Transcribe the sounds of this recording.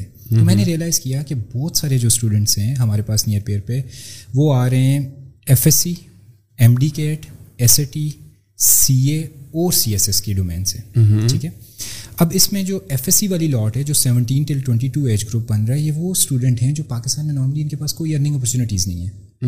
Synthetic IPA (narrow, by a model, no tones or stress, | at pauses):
ɛ | t̪omɛ̃ːneɾijəlaːɪz̥kijakebɔːt̪saːɾed͡ʒoːsʈuːɖə̃ɳʈsɦɛ̃ɦɐmaːɾepaːsnijəɾpeːəɾpeʋoːaːɾɐɦɛ̃ɛfɛsi | ɛ̃ːmɖiːkeːʈɛseːʈiː | siːeɔːɾsiːɛsɛskeɖoːmḛ̃ːnseːiːkɛːɐbɪsmẽd͡ʒoːɛːfɛsiʋaːlilɔːʈɦɛd͡ʒoːsɛʋə̃ɳʈiːnʈɪlʈwɛ̃ɳʈiʈuːeːd͡ʒɡɾuːp̚bɐnɾaɦɛjɛʋosʈuːɖə̃ɳʈɦɛ̃d͡ʒoːpaːkɪst̪aːnmẽnɔːɾməliɪnkepaːskoːiɐɾnɪ̃ŋɡɔːp̬ɔɾt͡ʃuːnɪʈiːznɐ̰ɦĩɦɛː